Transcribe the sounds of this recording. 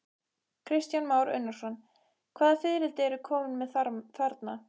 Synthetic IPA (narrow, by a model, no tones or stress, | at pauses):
kʰɾɪst̪janmaːwɾʏ̰nːaɾ̥sɔn | kʰv̥aːðafɪðɾɪlt̪ɪɛɾʏkʰɔːmʏnmɛðθaɾθaɾt̪na